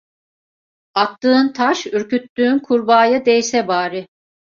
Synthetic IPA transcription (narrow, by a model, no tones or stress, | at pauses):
at̪ːɯːnt̪ʰaʃyɾkyt̪ːyːnkʰuɾbaːjad̪ɛjsɛbaːɾɯ